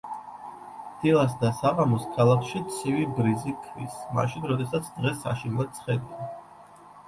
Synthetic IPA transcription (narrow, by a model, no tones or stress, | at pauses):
d̪̥ilˠasd̪asaʁamɔskʰalˠakʰʃit̪sʰivibɾizikʰvisma̰ʃinɾɔd̪ɛsat̪sʰd̪ʁɛsːa̰ʃinlɛsʰχɛd̪ia